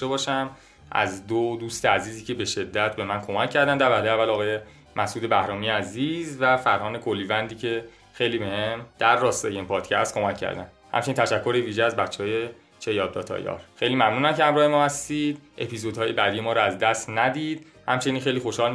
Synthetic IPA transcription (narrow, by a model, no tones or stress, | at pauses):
ebɒːʃæm | ʔæ̰zd̪od̪uːst̪eæziːziːcʰe̞be̞ʃe̞d̪ːæt̪ʰbe̞mænkʰo̞mæcʰːæɾd̪ænd̪æɾbæhljævːælɒːɣɒːje̞ | mʔæsʔuːd̪e̞bæhɾɒːmijeæziːzvæfæɾhɒːne̞kʰolːiːvænd̪iːcʰe̞ | xejliːbehemd̪̥æɾːɒːst̪ejeimpʰɒːd̪̥cʰæst̪ko̞mæcʰːæ̰ɾd̪æ̰n | hæ̰mt͡ʃe̞nint̪ʰæʃækʰːo̞ɾeviːʒeæzbætt͡ʃʰːeɒːje̞ | t͡ʃʰe̞jɒːd̪̚d̪ɒ̰ːt̪ʰɒ̰jɒ̰ːɾxejliːmæmnuːnæmcʰehæmɾɒːhe̞mɒːhæst̪id̪ʔe̞pʰizod̪hɒːje̞bæd̪ije̞mɒːɾɔæzd̪æst̪næd̪iːd̪̥ | hæmt͡ʃʰe̞ninxejliːxoʃhɒːl